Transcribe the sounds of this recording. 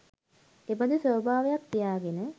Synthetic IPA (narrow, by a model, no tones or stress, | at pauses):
ebəd̪əsʋəbʱaːʋejak̚t̪ijaːɡenə